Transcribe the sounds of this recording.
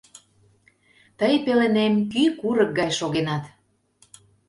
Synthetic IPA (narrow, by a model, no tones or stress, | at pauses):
t̪əjpelĕnemkykuɾək̚ɡɑjʃoɣenɑt̪